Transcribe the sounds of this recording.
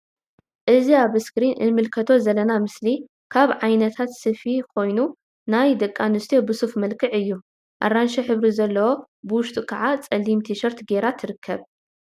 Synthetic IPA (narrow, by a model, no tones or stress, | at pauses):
ʔɨziaβɨskɾinʔɨ̰nmɨlkʰɐt̪ʰo̞zɐlɐnamɨsli | kʰaβʕajnɐt̪ʰat̪sɨfikʰo̞jnu | najd̪ɐkʼːanɨst̪ʰijobɨsufmɐlkʰɨʕɨjːu | ʔa̰ɾanʃɐħɨβɾizɐlːɐwo̞ | bɨwʊʃt̪ʼukʰaʕat͡sʼɐlːimt̪ʰiʃɐɾt̪ɡeɾat̪ʰɨɾɨkʰːɐβ